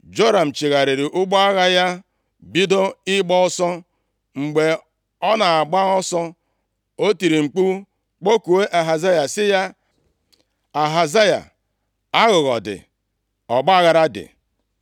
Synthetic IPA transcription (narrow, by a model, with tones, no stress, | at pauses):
d͡ʒo˦ɾa˨m̩˨t͡ʃi˨ɣa˨ɾi˨ɾɪ˨ʔʊ˦ɡ͡bɔ˦a˦ɣa˦ja˦ | bi˦do˦ɪ˦ɡ͡bɔ˦ʊ˦sɔ˦ | ŋ͡m̩˨ɡ͡be˨ | ɔ˦na˨a˨ɡ͡ba˦ɔ˦sɔ˦ | o˦ti˨ɾi˨ŋ͡m̩˨k͡pu˦ | k͡po˦ku˨we˦ʔa˨ɦa˨za˦ja˨sɪ˦ja˦ | a˨ɦa˨za˦ja̰˨ | a˦ɣʊ˨ɣɔ̰˨dɪ̰˨ | ɔ˨ɡ͡ba˦a˦ɣa˦ɾa˦dɪ̰˨